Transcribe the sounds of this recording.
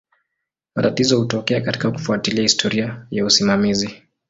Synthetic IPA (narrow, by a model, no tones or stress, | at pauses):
matatizɔhutɔkɛakati̥kaku̥fuatiliahistʰɔɾiajausimamizi